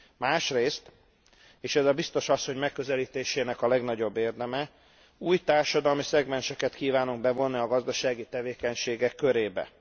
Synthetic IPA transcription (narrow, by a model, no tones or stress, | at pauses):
maːʃreːst̪ | eːʃɛzɒbist̪o̞ʃɒsːo̞ɲmɛkːø̞zɛliːt̪eːʃeːnɛkɒlɛɡn̪ɒɟo̞bːeːrd̪ɛmɛ | uːjt̪aːrʃɒd̪ɒlmisɛɡmɛnt͡ʃɛkɛt̪kiːvaːnuŋɡ̚bɛvo̞nːiɒɡɒzd̪ɒʃaːɡit̪ɛveːkɛɲʃeːɡɛkːø̞ɾeːbɛ̰